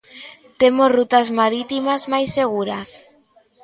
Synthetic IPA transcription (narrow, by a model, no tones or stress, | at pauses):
t̪emosrut̪azmaɾit̪imazmajseɣuɾas